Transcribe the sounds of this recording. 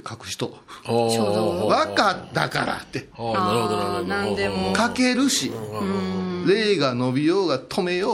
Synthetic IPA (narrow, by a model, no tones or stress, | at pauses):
kʰakɯ̟̥ɕi̥t̪o | βakat̪ːa̰ka̰ɾa̰t̪ːeonad̪ekake̞ɾɯ̟ɕi | ɾe̞ːɡano̞bʲijo̞ːɡat̪ʰo̞me̞jo